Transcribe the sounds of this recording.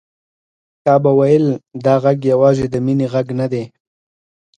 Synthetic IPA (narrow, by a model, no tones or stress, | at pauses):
kɑbawajəld̪ɑɣaɡjawɑzed̪əmineɣaɡnad̪e